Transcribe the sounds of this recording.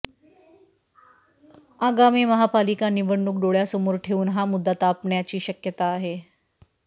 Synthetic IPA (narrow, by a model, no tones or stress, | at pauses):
aɡamiːməɦapalikaniʋəɳːuk̚ɖoɭjasəmoːɾʈʰeuːnɦamud̪ʱːət̪apɳjat͡ɕiːɕəkjət̪aːɦe